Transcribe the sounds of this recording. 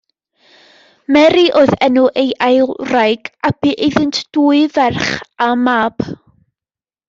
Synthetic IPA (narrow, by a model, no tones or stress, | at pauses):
mɛɾiʔoðɛnuʔejʔajrajɡab̥iːʔɪðɪntʰd̥uːɨvɛrχamaːb̥